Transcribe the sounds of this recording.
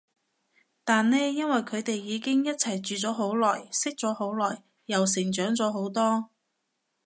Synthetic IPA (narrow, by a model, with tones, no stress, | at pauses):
t̪aː˨nlɛː˥jɐ˥nwɐ˨jkʰɵ˨˧ɥt̪e˨jːiː˨˧kɪ˥ŋjɐ˥t̚t͡sʰɐ˨˩jt͡ʃyː˨t͡sɔː˨˥ɦo˨˥wlɔː˨˩jsɪ˥k̚t͡sɔː˨˥ɦo˨˥wlɔː˨˩jː | ɐ˨˩ws̬ɪ˨˩ŋt͡ʃœː˨˥ŋt͡sɔː˨˧˥ɦo˨˥wt̪ɔː˥